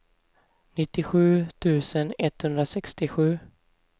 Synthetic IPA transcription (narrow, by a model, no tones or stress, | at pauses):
nɪt̪ːɪɧʉ̟ːt̪ʰʉ̟ːsənɛt̪hɵnd̪ɾasɛkst̪ɪɧʉ̟ː